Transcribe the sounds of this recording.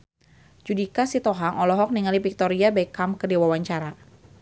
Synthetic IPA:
d͡ʒudikasit̪ɔɦaŋʔɔlɔɦɔk̚niŋalipik̚t̪ɔɾiabaikamkədewawaɲt͡ʃaɾa

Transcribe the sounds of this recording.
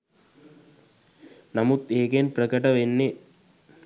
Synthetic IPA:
namut̪eːɡenprəkəʈəʋenːe

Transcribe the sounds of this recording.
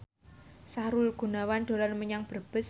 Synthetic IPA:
saɾulɡ̥ṳnawand̪̥o̤lalməɲaŋb̥ə̤rb̥ə̤s

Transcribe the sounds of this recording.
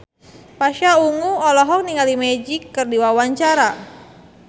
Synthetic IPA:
paʃauŋuɔlɔɦɔk̚niŋalimɛd͡ʒikːərdiwawaɲt͡ʃaɾa

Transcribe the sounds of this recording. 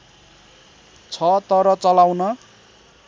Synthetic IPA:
t͡sʰʌt̪ʌɾʌt͡sʌlawnʌ

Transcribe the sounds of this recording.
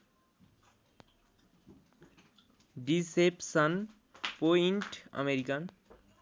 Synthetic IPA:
ɖisepsən | poiɳʈə̰meɾikən

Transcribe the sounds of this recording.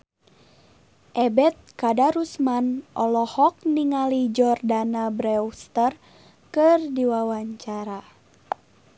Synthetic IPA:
ʔɛbɛt̪̚kadaɾusmanʔɔlɔhɔk̚niŋalid͡ʒɔrdanabɾɛwst̪ər | kɨrdiwawaɲt͡ʃaɾa

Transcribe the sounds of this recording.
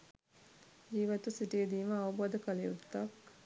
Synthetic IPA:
d͡ʒiːʋət̪usiʈijəd̪iːməawubod̪əkəlejut̪ːak

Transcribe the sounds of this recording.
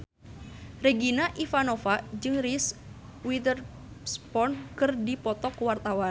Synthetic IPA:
reɡinaʔifanofad͡ʒɨŋriswit̪ər | spɔnkɨrdipɔt̪ɔkwart̪awan

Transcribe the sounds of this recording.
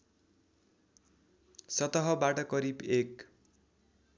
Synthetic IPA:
sʌt̪ʌɦʌbaʈʌkʌɾibek

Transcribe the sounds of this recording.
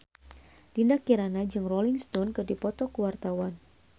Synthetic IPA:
d̥indakiɾanad͡ʒɨŋrɔliŋst̪ɔnkɨrdipɔt̪ɔkuwart̪awan

